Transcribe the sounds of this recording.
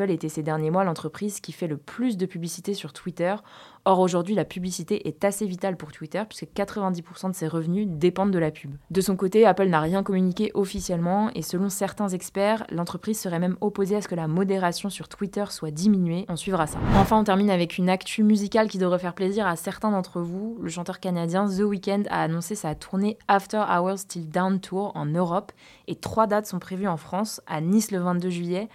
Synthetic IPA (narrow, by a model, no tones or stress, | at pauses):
let̪ɛsed̪ɛʁnjemwalɑ̃t̪χəpχizkʲifɛləplys̬d̪əpyblisit̪esyʁt̪wit̪œʁ | ɔʁoʒuʁd̪ɥilapyblisit̪eʔɛt̪asevit̪alpuʁt̪wit̪œʁpɥi̥skəkat̪χəvɛ̃d̪ipuʁsɑ̃d̪əseʁəvnyd̪epɑ̃d̪d̪əlapybd̪əsɔ̃kot̪eapœlnaʁjɛ̃kɔmynikʲeʔɔfisjɛlmɑ̃esəlɔ̃sɛʁt̪ɛ̃zɛkspɛʁlɑ̃t̪χəpχizsəʁɛmɛmɔpozeasə̥kəlamɔd̪eʁasjɔ̃syʁt̪wit̪œʁswad̪iminɥeʔɔ̃sɥivʁasa̰ɑ̃fɛ̃ɔ̃t̪ɛʁminavɛkʰynakt̪ʰymyzikʲalkʲid̪əvʁɛfɛʁpleziʁasɛʁt̪ɛ̃d̪ɑ̃t̪χəvuləʃɑ̃t̪œʁkanad̪jɛ̃s̬əwikʲɛ̃nd̪a̰ːnɔ̃sesat̪ʰuʁneaft̪ɛʁawɛst̪ild̪awnt̪ʰuʁɑ̰̃nøʁɔp | et̪χwad̪at̪sɔ̃pχevyɑ̃fχɑ̃sa̰nisləvɛ̃t̪̚d̪øʒɥijɛ